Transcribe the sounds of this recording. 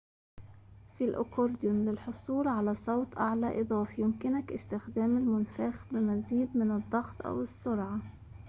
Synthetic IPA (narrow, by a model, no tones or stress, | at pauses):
filʔʊ̰kʊɾd̪jʊnlɪlħʊsˤuːɾʕalasˤɑwt̪ˤʔaʕlaʔɨd̪ˤɑːfjʊmkɪnakʔɪst̪ɪxd̪æːmɪlmʊnfaːxbɪmaziːd̪̚mɪnɨd̪ˤːɑxt̪ˤʔa̰wɪsːʊɾʕa